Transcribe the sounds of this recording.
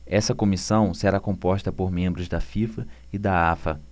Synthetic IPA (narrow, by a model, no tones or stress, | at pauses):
ɛsɐkomisɐ̃w̃seɾakõmpɔʃt̪ɐpoɾmẽmbɾʊzd̪ɐfifɐ | ɪd̪aafɐ